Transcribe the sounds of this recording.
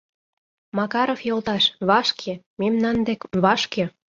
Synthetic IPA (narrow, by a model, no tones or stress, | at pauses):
mɑkɑɾofjolt̪ɑʃβɑʃkʰe | memnɑnd̪ekβɑʃkĕ